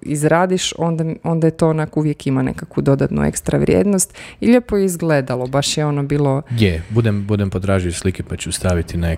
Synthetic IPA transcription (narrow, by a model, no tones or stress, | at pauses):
izɾaːd̪iʃond̪ao̞nd̪ajet̪o̞onakuʋjekimanḛkakʋud̪o̞d̪at̪nṵḛkst̪ɾaʋɾʲjḛːd̪nost̪iʎepojeizɡled̪alˠo̞baʃjeo̞nobiːlˠo̞jebud̪embud̪empot̪ɾaːʒioslikepat͡ɕust̪aʋit̪ʰine